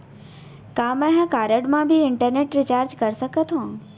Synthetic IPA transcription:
kãːmɛ̃ɦãkaːɾəɖmãbʱɪɪɳʈəɾneːʈɾɪt͡ɕaːɾd͡ʑkɐɾsəkət̪ʰõː

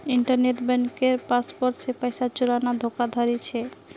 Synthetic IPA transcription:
iɳʈaɾneʈbɛŋkeɾpaspoɾʈsepajsat͡ɕuɾanad̪ʱokad̪ʱaɾit͡ɕʰe

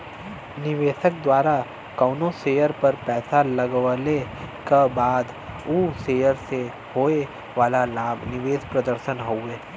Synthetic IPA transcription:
nɪʋeːʃək̚d̪waːɾa | kɐːʊnõseːjəɾpɐɾpɛːsalɐɡʋlekabaːd̪ | uːseːjəɾse | hoːe | ʋaːlalaːbʱnɪʋeːʃpɾɐd̪əɾʃənɦoʊeː

